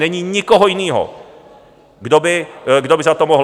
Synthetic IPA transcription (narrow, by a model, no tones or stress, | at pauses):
ɛɲiɲɪkoɦojɪniːɦo̰ | ɡdobɪɡdobɪzat̪omoɦ